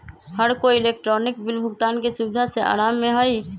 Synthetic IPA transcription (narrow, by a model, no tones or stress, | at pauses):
həɾkoiɪleːk̚ʈɾɔnɪkbɪlbʱʊɡt̪aːnkesʊd̪ʱːaseʔa̰ːɾaːmːẽɦoi